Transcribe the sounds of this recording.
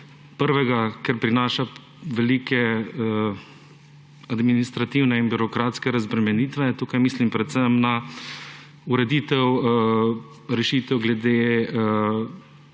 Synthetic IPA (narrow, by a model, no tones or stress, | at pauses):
pəɾʋɛɡakɛɾpɾinaːʃa | ʋɛliːkɛ | ad̪minist̪ɾat̪iwnɛinbiɾɔkɾaːt̪skɛɾazbɾɛmɛniːt̪ʋɛt̪uːkajmiːslimpɾɛt̪sɛmna | uɾɛd̪iːt̪ɛw | ɾɛʃiːt̪ɛwɡlɛd̪e